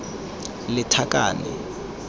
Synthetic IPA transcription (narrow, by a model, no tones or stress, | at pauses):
lɪtʰakʼa̰ːnɛ̰